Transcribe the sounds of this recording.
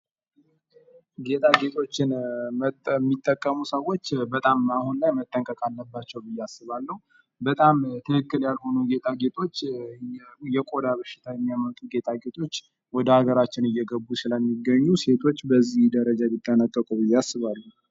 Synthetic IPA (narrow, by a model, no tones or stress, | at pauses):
ɡe̞t̪ʼʰaɡe̞t̪ʰʼo̞t͡ʃːɪn | mːit̪ʼːəkʼːəmusəwo̞t͡ʃːbət̪ʼamahunlajmət̪ʼːəŋkʼəkʼalːəbːat͡ʃːɛwbɨjːasːɨβalːəhu | bət̪ʼamt̪ʰɨkɨkːɨljalho̞nuɡe̞t̪ʰʼaɡe̞t̪ʰʼo̞t͡ʃː | jɛkʼo̞d̪aβəʃɪ̥t̪ʰajɛmːijamət̪ʼuɡe̞t̪ʰʼaɡe̞t̪ʰʼo̞t͡ʃː | wɔd̪əhaɡəɾat͡ʃːɪnɨjːɛɡəbːusɨləmːiɡəɲːuse̞t̪ʰo̞t͡ʃːbəzːihd̪əɾəd͡ʒabit̪ʼːənat̪ʼːəkʼubɨjːasːɨβalːu